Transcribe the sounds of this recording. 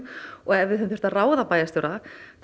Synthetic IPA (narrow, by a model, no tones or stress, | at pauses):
ɔɣɛvɪθɛnθʏ̥ɾ̥t̪araːwðapaːjast̪owɾaθ